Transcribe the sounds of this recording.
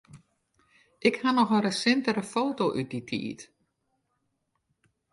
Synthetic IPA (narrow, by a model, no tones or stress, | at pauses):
ʔɪkhanɔxərəsɪntəɾəfoːtoʔyt̚ditʰḭːt